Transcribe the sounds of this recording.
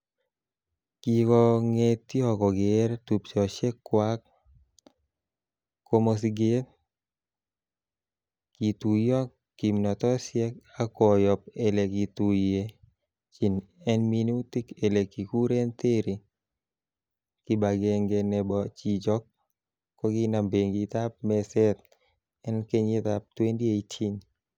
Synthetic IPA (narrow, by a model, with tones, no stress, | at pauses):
ki˨kɔ˧ŋe˦t̪i˦ɔ˦˨kɔ˨ɡɪ˨˦ɾt̪u˨pt͡ʃɔ˨ʃe˦kːwa˦k̚ | ko˧mo˧siɡe˦ | ki˨t̪u˨jɔ˦kː | i˨mnɔ˨t̪ɔ˦sjɛ˦ka˦kɔ˨jɔ˨p̚e˨le˨ki˨t̪u˨e˦ | t͡ʃi˨n | ɛ˦nmi˦nu˦t̪i˦ke˨le˨ki˨ku˦ɾe˦nt̪e˦ɾi˨ | ki˦ba˨ɡe˨ŋɡe˨nɛ˦bɔ˨t͡ʃi˨d͡ʒɔ˦kː | ɔ˦ɡi˦na˨mbe˨ŋɡit̪a˦p̚mɛ˦sɛ˦t̪̚ | ɛ˦nke˦ɲi˦t̪a˨p̚t̪we˦ndi˦e˦i˦t͡ʃi˦ɲ